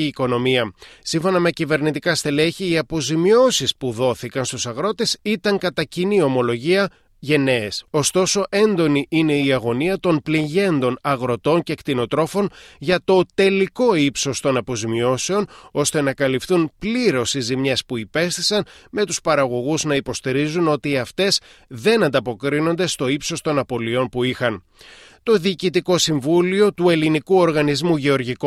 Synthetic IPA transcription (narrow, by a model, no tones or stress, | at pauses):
iːko̞no̞miɐsiɱfo̞nɐme̞cive̞ɾnit̪ikɐst̪e̞leçiiɐpo̞zimio̞sispuðo̞θikɐnst̪usɐɣɾo̞t̪e̞sit̪ɐŋkɐt̪ɐcinio̞mo̞lo̞ʝiɐ | ʝe̞ne̞ːso̞st̪o̞so̞ʔe̞nd̪o̞niʔine̞iɐɣo̞niɐt̪o̞npliʝe̞nd̪o̞nɐɣɾo̞t̪o̞ncekt̪ino̞t̪ɾo̞fo̞nʝɐt̪o̞t̪e̞liko̞ipso̞st̪o̞nɐpo̞zimio̞se̞o̞no̞st̪e̞nɐkɐlifθunpliɾo̞sizimɲespuipe̞st̪i̥sɐnme̞t̪uspɐɾɐɣo̞ɣuznɐipo̞st̪iɾizuno̞t̪iɐft̪e̞sðe̞nɐnd̪ɐpo̞kɾino̞nd̪e̞st̪o̞ipso̞st̪o̞nɐpo̞lio̞npuixɐn | t̪o̞ðiːcit̪iko̞siɱvulio̞t̪ue̞linikuo̞ɾɣɐnizmuʝeo̞ɾʝiko